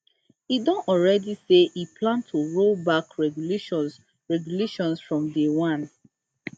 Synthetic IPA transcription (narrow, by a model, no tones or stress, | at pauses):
idɔ̃nɔlɹɛdiseʔiplãntʰoɹobakɹɛɡʃ | ɹɛɡjuleʃɔ̃nsfɹɔ̃mdewãn